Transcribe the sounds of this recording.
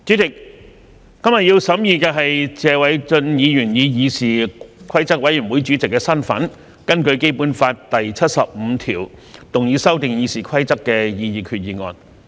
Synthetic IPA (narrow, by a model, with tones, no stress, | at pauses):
t͡ʃyː˨˥t͡sɪ˨k̚ː | ɐ˥mjɐ˨t̚jiː˧wsɐ˨˥mjiː˨kɛː˧ɦɐ˨jt͡sɛː˧wɐ˨˥jt͡sɵ˧njiː˨˧jyː˨˩njiː˨˧jiː˨˧siː˨˩kʰɐ˥jt͡sɐ˥k̚wɐ˨˥jy˨˩nwu˨˥jt͡ʃy˨˥t͡sɪ˨kːɛː˧sɐ˥nfɐ̰˨˥n | kɐ˥nkɵ˧ɥke˥jpu˧˥nfaː˧t̚t̪ɐ˨jt͡sʰɐ˥t̚sɐ˨p̚m̩˨˧t̪ʰiː˨˩wt̪ʊ˨ŋjiː˨˧˥sɐ˥wt̪ɪ˨ŋjiː˨˧siː˨˩kʰɐ˥jt͡sɐ˥kːɛː˧jiː˨˧jiː˨˩kʰyː˨t̚jiː˨ŋɔ̰ː˨˧n